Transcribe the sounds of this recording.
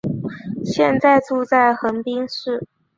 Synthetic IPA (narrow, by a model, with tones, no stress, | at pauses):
ɕjɛ˥˧nt͡sa˥˧ɪt͡su˥˧t͡sa˥˩ɪxə˧˥npi˥ŋʂɻ̩˥˩